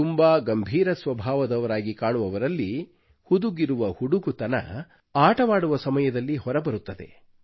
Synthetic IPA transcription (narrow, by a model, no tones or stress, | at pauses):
umbaːɡɐmbʱiːɾɐsʋɐbʱaːʋɐd̪ɐʋɐɾaːɡikaːɳuʋɐʋɐɾɐlːi | hud̪uɡiɾuʋɐhuɽuɡut̪ɐnɐ̰ | aːʈɐʋaːɽuʋɐsɐmɐjɐd̪ɐlːihɔɾɐbɐɾut̪ːɐd̪e̞̰